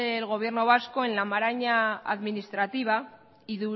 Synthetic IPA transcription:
elɣo̞β̞je̞ɾno̞β̞asko̞e̞nlamaɾaɲaa̰ðminist̪ɾat̪iβ̞a | iðu

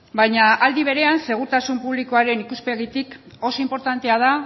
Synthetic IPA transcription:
bajɲaʔald̪iβ̞e̞ɾe̞anse̞ɣ̞uɾt̪asumpuβ̞liko̞aɾe̞nikuspeɣit̪ik | o̞so̞impo̞ɾt̪ant̪e̞að̞a

